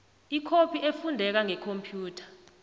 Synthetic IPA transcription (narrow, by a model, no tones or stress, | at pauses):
ikʰopʰiefundʱɛk̬aŋɛkʰompʰjuːtʰḁ